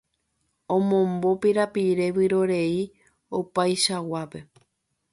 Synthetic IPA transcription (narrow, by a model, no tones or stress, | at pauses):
õmõ̞mbo̞piɾapiɾe̞ʋɨɾo̞ɾe̞i | opajʃawape̞